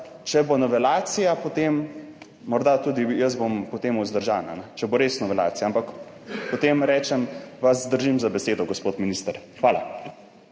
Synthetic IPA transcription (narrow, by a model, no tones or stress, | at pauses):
t͡ʃɛbonɔʋɛlaːt̪sijapot̪emː | ɔɾd̪at̪uːd̪ijəzbompɔt̪emuzd̪əɾʒaːna̰nɛt͡ʃɛboɾesnɔʋɛla̰ːt̪sijampak | pɔt̪eːmɾɛːt͡ʃɛmʋazd̪əɾʒimzabɛseːd̪ɔɡospot̪minist̪əɾxʋaːla̰